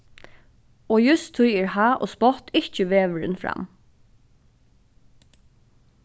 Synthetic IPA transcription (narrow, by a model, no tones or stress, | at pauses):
oːjʉst̪ʰːʊjəɹhɑːʔo̰ːspɔt̪ɪcəʋeːʋəɹə̰nfɹɑ̰m